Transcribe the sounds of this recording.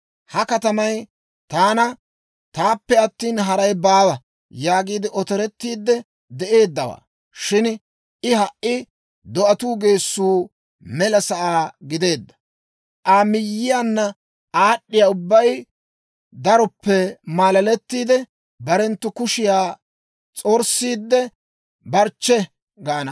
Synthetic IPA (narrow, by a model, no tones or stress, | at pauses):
hɐkɐt̪ɐmɐj | t̪aːnɐ | t̪aːpːɛɐt̪ːiːnɦɐɾɐjbaːwɐ | jaːɡiːd̪ɪʔɔt̪ɔɾɛt̪ːiːd̪ːɛ | d̪ɛʔe̞ːd̪ːɐwa̰ː | ʃɪn | ʔɪhɐʔʔːɪ | d̪ɔʔɐt̪uːɡe̞ːsːuː | mɛlɐsɐʔaːɡɪd̪e̞ːd̪ːɐ̥ | ʔamɪjːɪjanːɐ | aːɗːɪjaːʊbːɐj | d̪ɐɾɔpːɛmaːlɐlɛt̪ːiːd̪ɛ | bɐɾɛnt̪ːʊkʊʃɪjaː | t͡sʼɔɾsːiːd̪ːɛ | bɐɾt͡ʃːɛ | ɡɐɐnɐ